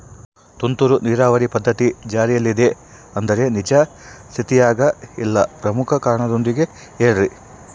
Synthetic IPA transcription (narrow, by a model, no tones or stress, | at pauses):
t̪unt̪uɾuniːɾaːʋɐɾipɐd̪ʱːɐt̪id͡ʒaːɾijɐlːid̪e̞ | ɐnd̪ɐɾe̞nid͡ʒɐ | st̪ʰit̪ijaːɡɐilːɐpɾɐmukʰɐkaːɾɐɳɐd̪o̞nd̪iɡe̞ | eːɭɾi